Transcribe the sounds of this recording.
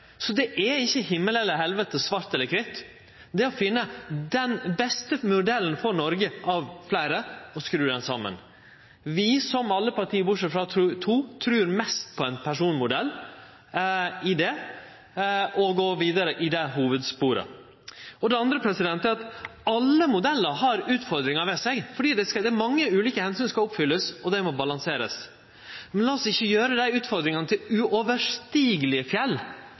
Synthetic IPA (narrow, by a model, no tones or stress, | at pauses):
sɔd̪ɛʔɛɪçːəɦɪmːəlɛlːəɾɦɛlʋət̪əsʋɑɾt̪ɛlːəɾkʰɾɪt̪ː | d̪ɛɔfɪnːəd̪ɛnbɛst̪əmʊɖ̪ɛln̩fɔɾnɔɾɡəʔɑʋflæɪɾəɔskɾʉːd̪ɛnsɑmːə̰n | ʋɪsɔmɑlːəpɑɾʈ̪ʰiːəbʊʂəfɾɑt̪ʰuːt̪ʰɾʉːɾmɛst̪pʰɔɛɪnpʰæʂuːnmʊd̪ɛlː | ɪd̪ɛ | ɔɡoːʋiːd̪əɾəʔɪd̪ɛɦuːʋəd̪spuːɾə̰ | ɔd̪ɛɑnd̪ɾəpʰɾɛsɪd̪ɛnt̪ːəæɾɑt̪ɑlːəmʊd̪ɛlːəɾhɑɾʉːt̪fɔɾd̪ɾɪŋɑɾʋɛsɛɡfɔɖiːd̪ɛsd̪ɛmɑŋːəʉːliːkəhɛnsyːnəskɑɔpfʏlːəsɔd̪ɛɪmɔbɑlɑŋseːɾə̰s | mɛnlɑːɔsɪçːəjøːɾəd̪æɪʉːt̪fɔɾd̪ɾɪŋɑnət̪ʰɪlʉʔɔʋəʂt̪iːɡəlɪfjɛlː